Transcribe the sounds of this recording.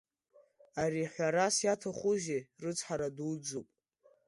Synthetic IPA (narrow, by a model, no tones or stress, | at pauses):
aɾiħʷaɾasjatʰaχʷuʒirɨt͡sʰħaɾadwd͡zopʼ